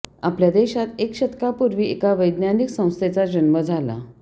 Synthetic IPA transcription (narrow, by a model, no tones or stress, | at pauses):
apljad̪eɕat̪ekɕət̪kapuɾʋiːekaʋəjd̪njaniksə̃w̃st̪ʰet͡sad͡ʑənməd͡zʱala̰